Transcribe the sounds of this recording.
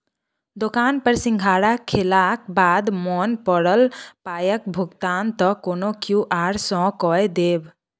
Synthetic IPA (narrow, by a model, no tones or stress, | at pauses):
d̪okaːnpəɾsĩŋɡʱaɽakʰːelakbaːd̪mɔnpɔɽəlpaːjək̚bʱʊɡt̪ant̪ɔkonokjuʔaːɾsɔ̃kɔjd̪eːb